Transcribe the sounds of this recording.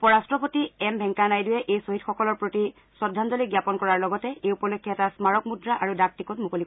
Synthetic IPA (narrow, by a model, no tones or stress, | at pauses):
pɔɹastɹɔpotiɛmbʱɛŋkanajdʊjɛʔejsoɦitxɔkɔlɔɹpɹoti | sɔdʱːandɔliɡjapɔnkɔɹaɹlɔɡɔtɛejupɔlokʰːjɔɛtasmaɹɔkmudɹaʔaɹudak̚tikɔtmukolik